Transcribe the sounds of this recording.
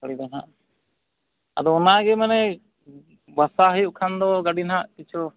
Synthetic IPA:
əɽid̪anɦaʔ | a̰d̪ɔɔnaɡɛmanɛ | basaɦəjuʔkʰand̪ɔɡaɖinɦaʔkit͡ʃʰɔ

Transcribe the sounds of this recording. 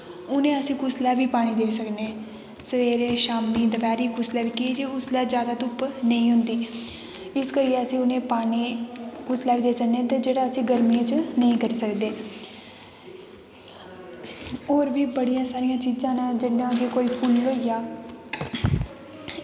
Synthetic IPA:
ʊnẽːəsĩːkʊslaːʋiːpaːñiːd̪eːsəkneː | səʋeːɾeːʃaːmːiːd̪əbɛːɾiːkʊslaːʋiːkid͡ʒeʊslaːd͡ʒjaːd̪aːt̪ʊpnəĩːɦʊ̃nd̪iː | ɪskəɾijeəsĩːʊnẽːpaːniːkʊslaːʋiːd̪eːsəkneːt̪eːd͡ʒeːɽaːəsĩːɡəɾmiːẽːt͡ʃnəĩːkəɾiːsəkd̪eː | oːɾʋiːbəɽijãːsaːɾijãːt͡ʃiːzãːnãːd͡ʒɪɽnãːkeːkoːiːpʰulːoːijaː

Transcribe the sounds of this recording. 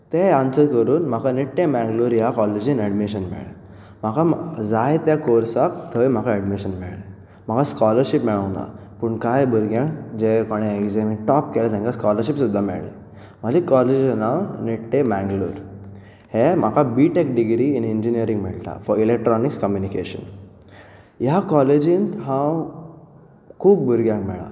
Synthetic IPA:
t̪eansəɾkəɾuːnm̤akaniʈʈemɛ̃ŋɡluɾjakɔled͡ʑinɛɖmiɕənmɛ̰ɭ | m̤akad͡zajt̪jakoɾsakt̪ʰəjm̤akaɛɽmiɕənmɛ̰ɭ | m̤akaskɔləɾɕipmɛɭaʋna̰ | pəɳkajbʱəɾɡãŋkd͡ʑekoɽ̃eekzemĩʈɔpkelat̪ɛ̃ŋkaskɔləɾɕipsud̪ʱːamɛ̰ɭḛ | m̤əd͡ʑikɔled͡ʑnawniʈt̪emɛ̃ŋɡlṵɾ | hem̤akabiʈek̚ɖiɡɾiinind͡ʑinijəɾiŋɡm̤ɛ̰ɭt̪a̰fɔɾilek̚ʈɾɔnikskəmjunikḛɕə̰n | jakɔled͡ʑĩnt̪ɦãw | kʰuːb̚bəɾɡjãŋkmɛ̰ɭa̰

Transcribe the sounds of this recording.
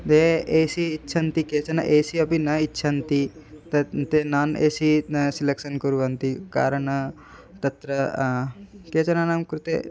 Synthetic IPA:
t̪eeːsiːtːʃʰɐnt̪ikeːt͡ʃɐnɐ̰ʔeːsiɐpinɐitːʃʰɐnt̪it̪ɐt̪enaːneːsisilekʃɐnkuɾuʋɐnt̪ika̰ːɾɐɳɐ | t̪ɐt̪ɾɐ | keːt͡ʃɐnanamkɾut̪ḛː

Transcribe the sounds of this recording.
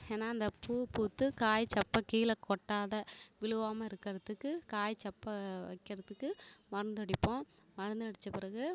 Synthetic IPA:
eːnːaːɐnd̪ɐpuːpuːt̪ːɯkaːjt͡ʃɐpːɐkiːlɐkɔʈːaːðɐʋɪɭɯʋaːmɐɪɾɯkːɐɾɐt̪ːɯkːɯkaːjt͡ʃɐpːɐʋɐ̰ɪkːɐɾɐt̪ːɯkːɯmɐɾɐnd̪ɐɽɪpːõː | mɐɾɐnd̪ɐɽɪt͡ʃːɐpɪɾɐɣɯ

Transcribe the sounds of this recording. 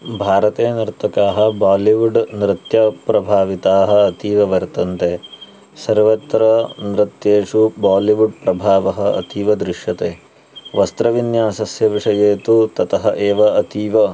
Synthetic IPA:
bʱaːɾɐt̪eːnɐɾt̪ɐkaːɦɐbaːliʋuɖnɾɪt̪jɐpɾɐbʱaːʋit̪aːɦɐ̆ːt̪iːʋɐʋɐɾt̪ɐnt̪eː | sɐɾʋɐt̪ɾɐnɾit̪jeːʂubaːliʋuɖpɾɐbʱaːʋɐɦɐɐ̰t̪iːʋɐd̪ɾiʂjɐt̪eː | ʋɐst̪ɾɐʋinjaːsɐsjɐʋiʂɐjeːt̪ut̪ɐt̪ɐɦɐʔeːʋɐɐt̪iːʋɐ

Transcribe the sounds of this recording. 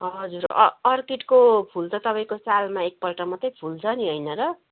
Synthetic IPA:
ɦʌd͡zuɾ̰ːrkiʈkopʰult͡sʰʌt̪ʌpaj̃kosalmaek̚pʌlʈʌmʌt̪ʌjpʰult͡sʰʌniɦʌjnʌɾʌ

